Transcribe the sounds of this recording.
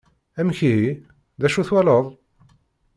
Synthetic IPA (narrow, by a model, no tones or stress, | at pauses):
æmçiɦi | ðæʃuθwæləðˤ